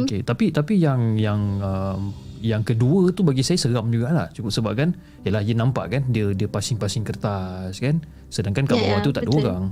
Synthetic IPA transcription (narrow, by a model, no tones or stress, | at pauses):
oket̪apit̪apijaŋjaŋəmjaŋkəduət̪ubaɡisajasəɣamd͡ʒuɡalaht͡ʃukʊp̚səbap̚kan | ijəlahjənãmpa̰ʔkandiədiəpasɪŋpasɪŋkərt̪askan | sədaŋkankabəbat̪ut̪aʔdəoɡaŋ